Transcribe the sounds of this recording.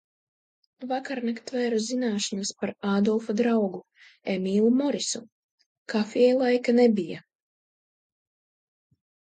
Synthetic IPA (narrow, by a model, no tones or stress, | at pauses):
vakaɾnakt̪vɛːɾuzinaːʃanaspaɾaːd̪ɔlˠfad̪ɾawɡu | emiːlˠumɔɾisu | kafiɛjlˠajkanebija̰